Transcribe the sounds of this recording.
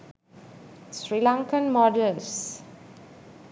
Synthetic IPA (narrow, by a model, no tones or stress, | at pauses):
sɹilãŋkə̃nmɔdəls